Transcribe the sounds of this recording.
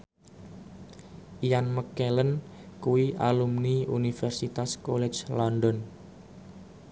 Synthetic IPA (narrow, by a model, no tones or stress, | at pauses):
ʔijanməkɛlən | kuwiʔa̰lumniunifɛrsit̪askɔlɛt͡ʃlɔndɔn